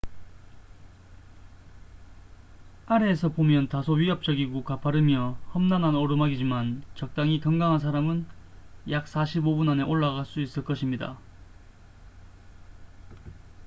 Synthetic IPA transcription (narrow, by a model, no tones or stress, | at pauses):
aɾe̞ːsʰʌpomjʌntasʰoɥiʌp̚t͡ɕ͈ʌɡiɡokapʰaɾɯmjʌhʌmnananʌɾɯmaɡid͡ʑimant͡ɕʌk̚t͈aŋikjʌŋɡaŋɦansʰaɾamɯnjak̚s͈ʰaɕʰibobunane̞ʔoɭːaɣaɭs͈uis͈ɯɭk͈ʌɕʰimɲida̰